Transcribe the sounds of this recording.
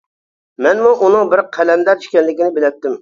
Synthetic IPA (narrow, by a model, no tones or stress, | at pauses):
mɛnmuʔunɨŋbɪɾqʰɛlɛnd̪ɛɾi̥ʃkʲɛnlɪkʲɪnɪbɪlɛp̚t̪ːɪm